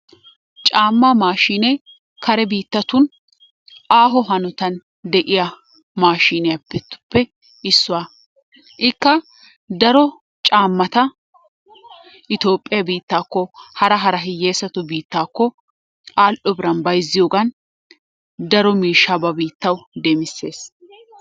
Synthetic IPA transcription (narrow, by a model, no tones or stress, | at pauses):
t͡ʃʼaːmːaːmaːʃiːnɛ | kʰɐɾɛbiːt̪ːɐt̪ʊn | ʔaːɦɔɦɐnɔt̪ɐn | d̪ɛʔɪjɐ | maːʃiːnɛjɐpːɛt̪ːʊ̥pːɛ | ɪsːʊwaː | ʔɪkːɐ | d̪ɐɾɔ | t͡ʃʼaːmːɐt̪ɐ | ʔɪt̪o̞ːpʼːɪjɐbiːt̪ːaːkːɔhɐɾɐɦɐɾɐɦɪjːeːsɐt̪ɔbiːt̪ːaːkːɔ | ʔaːlʔɔbɪɾɐnbɐjzːɪjoːɡɐn | d̪ɐɾɔmiːʃːabɐbiːt̪ːɐwd̪ɛmɪsːe̞ːs